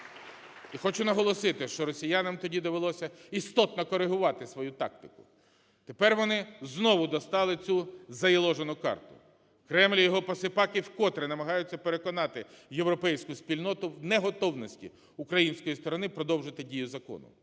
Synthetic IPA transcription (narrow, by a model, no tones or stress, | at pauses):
ixɔt͡ʃʊnɐɦɔlˠɔsɪt̪ɪʃt͡ʃɔɾɔsʲijɑnɐmt̪ɔdʲid̪ɔʋelˠɔsʲɐist̪ɔt̪nɔkɔɾeɦʊʋɑt̪ɪsʋɔjut̪ɑ̰k̚t̪ɪkʊ̥ | t̪e̞pɛrʋɔnɪznɔʋʊd̪ɔst̪ɑlˠɪt͡sʲuzɐjɪlˠɔʒenʊkɑ̰rt̪ʊ | kɾɛmlʲijɔɦɔpɐsɪpɑkɪwkɔt̪ɾenɐmɐɦɑjʊt͡sʲːɐpeɾe̞kɔnɑt̪ɪjewɾɔpɛjsʲkʊspʲilʲnɔt̪ʊwnɛɦɔt̪ɔwnɔsʲtʲḭ | ʊkɾɐjinʲsʲkɔjist̪ɔɾɔnɪpɾɔd̪ɔwʒɪt̪ɪdʲijʊzɐkɔ̰nʊ̰